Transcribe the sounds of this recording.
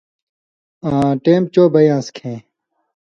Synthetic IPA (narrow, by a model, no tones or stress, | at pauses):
ãːʈeːmt͡ɕoːbɐjãːskʰẽː